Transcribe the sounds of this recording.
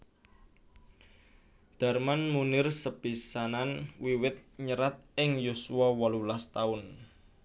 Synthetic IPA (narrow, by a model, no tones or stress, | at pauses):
d̪̥a̤rmanmunɪrsəb̥isananwiwɪt̪̚ɲəɾat̪̚ɪŋjusuwɔwɔlulast̪aʊn